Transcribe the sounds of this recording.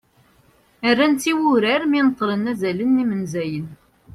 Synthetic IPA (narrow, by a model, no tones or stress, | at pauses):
ərːænt͡siwʊɾæɾminət̪ˤːɾənæzælənːimənzæjən